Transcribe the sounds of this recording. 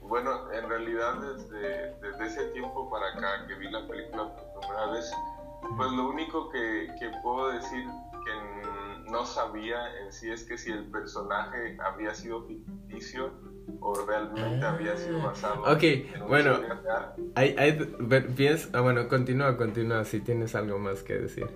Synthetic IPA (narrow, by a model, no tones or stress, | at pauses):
bwe̞no̞enrealiðaðːezðeðezðe̞eset̪je̞mpo̞paɾakake̞βilape̞likulapopɾimunaaβes | pwe̞zlo̞uniko̞keke̞pweðo̞ðe̞siɾ | keno̞saβiaensie̞ske̞sie̞lpe̞ɾso̞naxe̞a̰βɾiasið̞ofikit̪isjoː | realmẽnt̪e̞aβɾiasiðopasaðookejbwe̞noaaajʔajðpeɾpjensβwenoko̞nt̪inuako̞nt̪inuasit̪je̞ne̞salɣo̞maske̞̰ðḛsḭɾ